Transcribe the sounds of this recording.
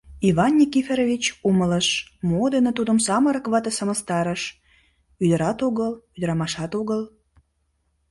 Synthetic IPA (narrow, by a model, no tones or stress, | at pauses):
iβɑnːʲikifʲeɾovit͡ɕumələʃmod̪ənə̆t̪ud̪əmsɑməɾəkβɑt̪esəməst̪ɑɾəʃ | yd̪ə̆ɾɑt̪oɣəlyd̪əɾɑmɑʃɑt̪oɣəl